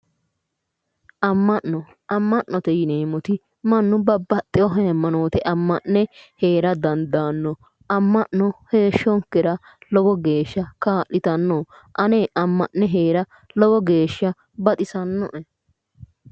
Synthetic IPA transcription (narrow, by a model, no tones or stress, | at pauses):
ʔɐmːɐʔːɔ | ʔɐmːɐʔːɔt̪ɛjɪneːmɔt̪ɪ | mɐnːʊbɐbːɐt̪ʼːɪjɔɦɐmːɐnoːt̪ɛʔɐmːɐʔːɛheːɾɐd̪ɐnd̪aːnːɔ | ɐmːɐʔnɔhe̞ːʃːɔŋkːɪɾɐ | lɔɡɔɡe̞ːʃːɐkaːʔːɪt̪ɐnːo | ʔɐneːʔɐmːɐʔːɛɦe̞ːɾɐ | lɔɡɔɡe̞ːʃːɐ | bɐt̪ʼɪsɐnːɔʔɛ